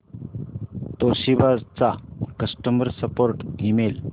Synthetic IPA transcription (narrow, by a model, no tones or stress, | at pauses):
t̪oɕibad͡zt͡sakəsʈəməɾsəpoɾʈimel